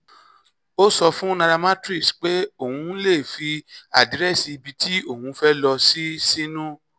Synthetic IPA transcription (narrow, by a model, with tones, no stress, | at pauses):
o˦sɔ˧fũ˦nã˧ɾa˧ma˦tɾi˦˨sk͡pe˦o˦˨hũ˧˦le˦˨fi˧a˨dɾɛ˦˨si˧i˧bi˧tʰi˦o˦˨hũ˧˦fɛ˦lɔ˧si˦si˦nũ˦